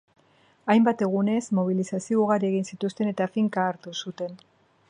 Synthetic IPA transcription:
ajmbat̪e̞ɣune̞zmo̞β̞ilisasiouɣaɾieɣ̞insit̪ust̪e̞ne̞t̪afiŋkaːɾt̪usut̪e̞n

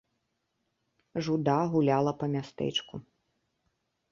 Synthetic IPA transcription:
ʐud̪aɣulʲalˠɐpɐmʲast̪ɛ̰t͡ʃku

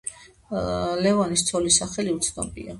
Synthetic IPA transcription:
lɛvanist̪sʰɔlisaχɛliut̪sʰd̪ɔ̰bʼḭa

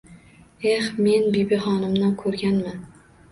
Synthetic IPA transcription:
ehme̞nbibɪχɒnɪmnakʰɵɾɡʲanman

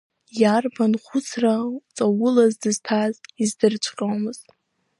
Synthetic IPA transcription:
jarbanχʷʊt͡sʰrat͡sʼawʊlazdɨztʰazizdɨrt͡ʃʷʰkʼowmɨz̥tʼ

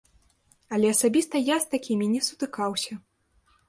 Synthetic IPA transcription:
ɐlʲɛɐsabʲist̪ɐjast̪akʲimʲinʲɛsu̥t̪ɨkawsʲɐ

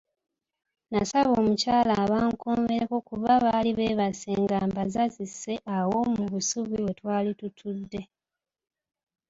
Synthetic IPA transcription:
nasaβo̞ːmucaːlaβaːŋkoːme̞ɾeko̞kuβaβaliβe̞ːβasḛːŋɡaːmbazazise̞ʔawomuβusuβiwe̞twaːlitutʰudːe̞

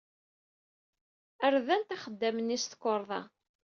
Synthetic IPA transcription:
əɾðænt̪æχəd̪ːæmənːist̪ə̥kːoɾˤðˤɑ̰

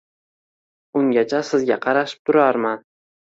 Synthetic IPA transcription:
ʊŋɡʲat͡ʃʰasɪzɡʲaqʰɑɾaʃɪ̥p̚t̪ʰʊɾaɾman

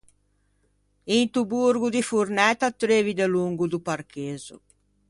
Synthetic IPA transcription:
int̪ubuɾɡud̪ifurnɛt̪ːat̪ɾeːvid̪eluŋɡud̪uparkeːzṵ

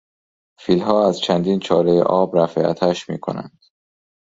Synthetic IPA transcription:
fiːlɦɒːæzt͡ʃʰænd̪iːnt͡ʃʰɒːlejḛʔɒːbɾæfeæ̰t̪ʰæʃmḭːkʰo̞̰næ̰nd̪̥

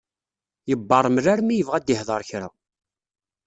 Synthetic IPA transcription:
jəbːɑɾˤmərːaɾmijəvʁæd̪ɪhðˤəɾˤçɾa̰

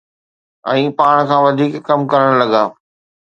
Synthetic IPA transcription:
ɛ̰̃ːpaːɽ̃kʰãːʋɐd̪ʱiːkːɐmkɐɾəɽ̃lɐɡaː

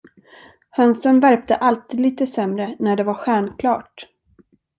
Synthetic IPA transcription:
hœnsənvæɾp̚t̪əʔalt̪iːd̪liːt̪əsɛmɾənæɖɛvaɾɧæːɳkʰlɑ̰ːʈ

